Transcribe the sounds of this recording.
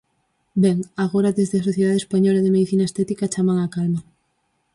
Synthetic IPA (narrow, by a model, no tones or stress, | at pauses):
bɛŋaɣoɾaðezðeasoθjeðaðespaɲɔlaeðemeðiθinaest̪ɛt̪ikat͡ʃamaŋakalma